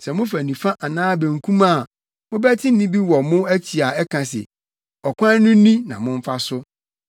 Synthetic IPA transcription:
sɛ˨mʊ̃˦fæ˨nĩ˨fa˦ʔa˨nãː˦bẽ˨ŋ˨kʰũ˦ma˦˨ | mʊ̃˦bæ˦tʰɪ̃˦n˦nĩ˦bi˦wɔ˨mʊ̃˦æ˦t͡ɕʰi˨a˨ɛ˦kʰã˨sɪ̰˨ | ɔ˨kʷʰã˦nʊ̃˦nĩ˦nã˨mʊ̃˦ɱ˦fa˦sʊ˦

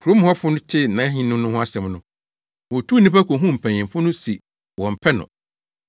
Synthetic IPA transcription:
kʰu˨ɾo˦m˦hɔ˦fʊ˦nʊ̃˦t͡ɕʰɪ˦nã˨˦ɦĩ˦nʊ̃˦mnʊ̃˦hʊ̃˦a˦sɛ̃˨mnʊ̃˦ | wɔ˨tʰu˦˨nĩ˦pa˦kʰo˨ɦũ˦m̩˨pʰæ̃˨ɲɪ̃˨mfʊ˦nʊ̃˦si˨ | wɔ̃˨m̩˨pʰɛ˦nʊ̰̃˨

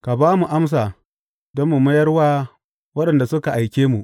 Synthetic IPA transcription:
ka˨baː˦mu˨ʔa˦ms̬aː˨ | dɔ˦mːu˨mɐ˦jɐ˦rwaː˦ | wɐ˦ɗɐ˨nda˨sʊ˦ka˨ʔa˨jkʲeː˦mu˨ʔ

